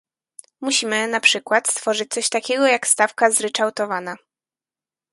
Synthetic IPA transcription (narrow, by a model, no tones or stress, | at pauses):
muɕimɘnapʂɘkwat̪st̪fɔʐɘt͡ɕ̚t̪sɔɕt̪akʲɛɡɔjakst̪afkazɾɛt͡ʂawt̪ɔvana